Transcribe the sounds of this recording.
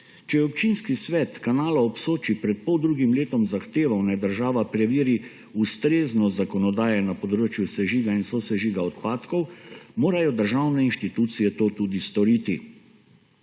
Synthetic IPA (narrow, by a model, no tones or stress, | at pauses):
t͡ʃɛjɛɔp̚t͡ʃinskisʋɛːt̪kanaːlaɔpsoːt͡ʃipɾɛt̪̚pɔwd̪ɾuːɡimleːt̪ɔmzaxt̪eːʋawnɛd̪əɾʒaːʋapɾɛʋiːɾi | ust̪ɾeːznɔzakɔnɔd̪aːjɛnapɔd̪ɾoːt͡ʃjusɛʒiɡainsɔsɛʒiɡaɔt̪̚paːt̪kɔwmoːɾajɔd̪əɾʒawnɛinʃt̪it̪uːt̪sijɛt̪oːt̪uːd̪ist̪ɔɾiːt̪i